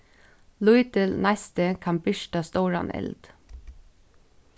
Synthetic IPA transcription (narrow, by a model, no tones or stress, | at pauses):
lujt̪əlnast̪əkʰɑmbɪʃtast̪oːɹa̰nɛ̰ld̪̥